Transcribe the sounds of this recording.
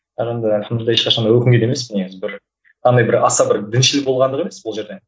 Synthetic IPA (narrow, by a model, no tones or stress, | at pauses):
ɑʁend̪ɪsənəɾd̪ɑeʃqɑʃɑnd̪ɑjwɵkʲɪŋɡʲed̪eme̞sbɪne̞ɡʲɪzbɪɾ | qʰɑnd̪ɑjbɪɾɑsɑbɪɾd̪ɪnʃɪlɪk̚bolˠʁɑnd̪əʁeme̞sbʊlˠʒeɾd̪e̞